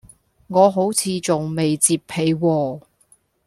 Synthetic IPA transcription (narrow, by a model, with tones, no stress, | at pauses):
ŋɔː˨˧ɦo˨˥wt͡sʰiː˨˧t͡sʊ˨ŋme˨jt͡siː˧pʰːe˨˧jwɔː˧